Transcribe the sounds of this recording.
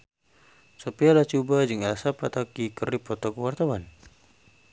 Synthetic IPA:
sopialat͡ʃubad͡ʒɨŋalsapat̪akikəripɔt̪ɔkəwart̪awan

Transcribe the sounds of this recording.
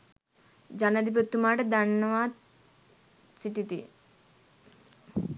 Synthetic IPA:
d͡ʒanɐd̪ip̬ot̪ːumaːʈəd̪anːəʋaː | siʈit̪ḭ

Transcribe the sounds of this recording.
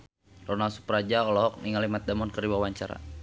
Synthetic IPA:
rɔnalsu̥pɾad͡ʒaɔlɔɦɔk̚niŋalimat̪̚damɔnkəɾiwawaɲt͡ʃaɾa̰

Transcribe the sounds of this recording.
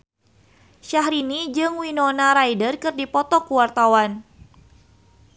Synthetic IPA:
ʃahɾinid͡ʒɨŋwinonaɾajdərkɨrdipɔt̪ɔkuwart̪awan

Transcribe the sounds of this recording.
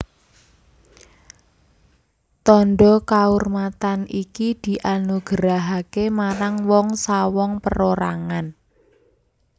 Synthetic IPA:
t̪ɔnɖɔkaurmat̪anikid̪̥i̤ʔanuɡ̥əɾaɦakemaɾaŋwɔŋsawɔŋpəɾoɾa̰ŋan

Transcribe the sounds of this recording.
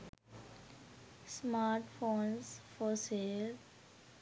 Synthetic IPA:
smaːɾʈfoːnsfɔːsel

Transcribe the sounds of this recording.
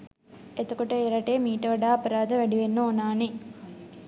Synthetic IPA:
et̪okoʈəeɾɐʈeːmiːʈəʋɐɖaːɐpɐɾaːd̪əʋæɖiʋenːəonaːne

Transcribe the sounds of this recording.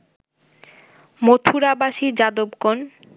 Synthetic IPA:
mot̪ʰuɾabaʃid͡ʑad̪obkon

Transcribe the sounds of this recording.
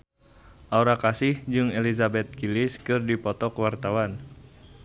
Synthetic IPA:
ʔaoɾakasɪhd͡ʒɨŋelizabɛt̪̚kilɪskɨrdipɔt̪ɔkwart̪awan

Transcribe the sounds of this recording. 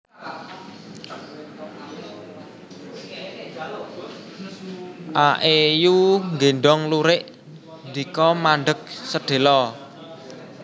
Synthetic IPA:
ʔaʔejuŋɡenɖɔŋluɾɪʔ | nd̪ikɔmaɳɖək̚səɖ̥e̤lɔ

